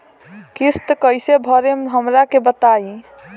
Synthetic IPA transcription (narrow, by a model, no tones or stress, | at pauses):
kist̪kəjsebʱəɾemeɦəmɾakebət̪ai